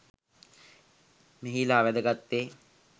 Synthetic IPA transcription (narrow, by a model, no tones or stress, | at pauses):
meɦilaːʋæd̪əɡat̪ːeː